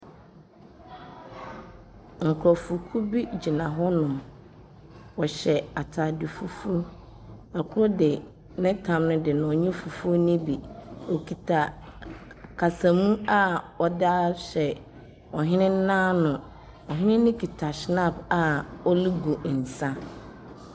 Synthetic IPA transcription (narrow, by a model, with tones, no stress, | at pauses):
ŋ̩˨kʰɾɔ˨fu˨kʰu˦bi˦d͡ʑi˨nã˨ɦɔ˦nʊ̃˨ | ɔ˨ɕɛ˨a˨tʰa˨di˨fu˦fu˦ | a˨kʰʊ˦ɾɔ˦dɪ˨ | nɪ̃˦tʰã˨mnʊ̃˦dɪ˨nʊ̃˨ɔ˨ɲɛ̃˦fu˨fu˦nĩ˦bi˨ɔ˨kʰi˨tʰa˨ | kʰa˨sã˨mũ˦a˦ | ɔ˨da˦ɕɛ˨ | ɔ˨ɦɪ̃˦nɪ̃˦n̩˦nãː˦nʊ̃˨ | ɔ˨ɦɪ̃˦nɪ̃˦nɪ̃˦kʰi˨tʰa˨ɕnã˦˨ba˨ɔ˦li˦ɡo˨n̩˨sã˦